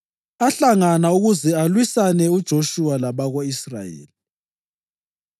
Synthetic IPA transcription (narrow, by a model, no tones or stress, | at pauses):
aɬaŋanauɣuzɛalwisanɛud̥ʒ̥ʱoʃuwalaβaɣoisra̰jḛːli